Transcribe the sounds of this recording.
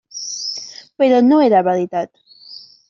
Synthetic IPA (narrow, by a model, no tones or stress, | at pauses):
peɾonoeɾaβaɾit̪at̪